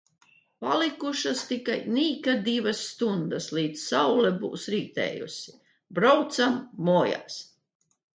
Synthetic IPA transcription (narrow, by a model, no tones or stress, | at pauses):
palikuʃast̪ikajniːkad̪ivasːt̪und̪asliːd̪ssawlɛbṵːsɾiːt̪ɛ̰ːjṵsʲi̥ | bɾawt̪samːɔːja̰s